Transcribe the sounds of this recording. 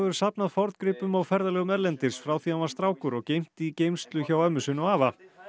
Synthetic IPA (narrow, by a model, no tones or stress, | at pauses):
vɛɾʏ̥sapnaðfɔɾt̪kɾɪːpʏmawfɛɾðalɛːɣʏmɛɾlɛnt̪ɪsfɾawθianvḁst̪ɾaːwkʏɾɔɣcejm̥t̪icejmst̪lʏçawɛmːʏsɪnɔɣaːva